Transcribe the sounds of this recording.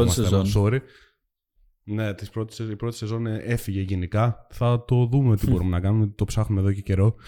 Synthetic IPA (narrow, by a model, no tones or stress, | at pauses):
ot̪mɐseeoso̞ɾi | ne̞t̪ispɾo̞t̪i̥sipɾo̞t̪i̥se̞zo̞nee̞fiʝe̞ʝenikɐθɐt̪o̞ðumeot̪ibo̞ɾume̞nɐkɐnumet̪t̪o̞psɐxnume̞ðo̞ce̞ce̞ɾo̞